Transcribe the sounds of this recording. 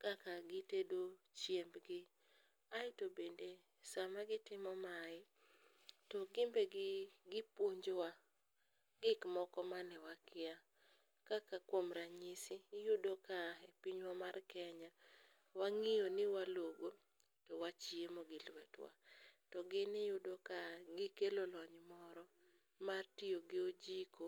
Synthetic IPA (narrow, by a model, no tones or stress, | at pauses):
kakaɡɪtedot͡ʃjembɡɪ | aɪtobende | samaɡɪtɪmɔmaɪ | tɔɡɪmbeɡɪɡɪpwoɲd͡ʒwa | ɡɪkmɔkɔmanɪwakʰɪa | kakakwomɾaɲisɪjʊdokaepiɲwamarkɛɲa | waŋɪjonɪwaloɡo | towat͡ʃiemoɡɪlwɛtwa̰tɔɡɪnɪjʊdokaɡɪkelolɔɲmɔɾɔ | martijoɡɪod͡ʒiko